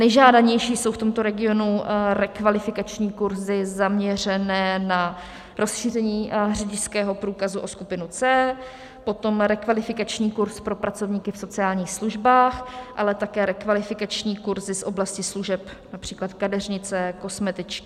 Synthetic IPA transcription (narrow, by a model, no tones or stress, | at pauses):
nɛjʒaːdaɲɛjʃiːso̞wft̪omt̪o̞ɾɛɡɪo̞nuɾɛkvalɪfɪkat͡ʃɲiːkuɾzɪzamɲɛr̝ɛnɛːna | ɾʔo̞sʃiːrɛɲiːɦrɛɟɪskɛːɦo̞pɾuːkazuʔo̞skupɪnut͡sɛː | po̞t̪o̞mɾɛkvalɪfɪkat͡ʃɲiːkuɾspɾo̞pɾat͡so̞vɲiːkɪfso̞t͡sɪaːlɲiːxsluʒbaːxʔalɛt̪akɛːɾɛkvalɪfɪkat͡ʃɲiːkuɾzɪsʔo̞blascɪsluʒɛpnapr̝̥iːklat̪kadɛrɲɪt͡sɛkosmɛt̪ɪt͡ʃk